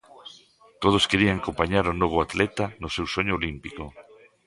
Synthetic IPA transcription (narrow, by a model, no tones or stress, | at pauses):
t̪oð̞oskeɾiaŋakompaɲaɾʊnoβ̞ʊat̪lɛt̪anʊsewsoɲʊːlimpiko